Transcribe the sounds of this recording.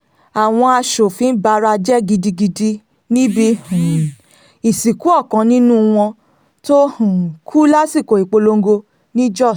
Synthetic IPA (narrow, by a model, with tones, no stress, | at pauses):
a˨w̃ɔ̃˧a˧ʃo˨fĩ˧˦ba˧ɾa˧d͡ʒɛ˦ɡi˧di˧ɡi˧di˧˦ | nĩ˦bi˧hũ˨ | i˨si˨ku˨˦ɔ˦˨kã˧˦nĩ˦nũ˦w̃ɔ̃˧ | to˦hũ˨kʰu˦la˦si˦˨ko˨i˨k͡po˧lo˧ŋ̩˦ɡo˧ | nĩ˦d͡ʒɔ˦˨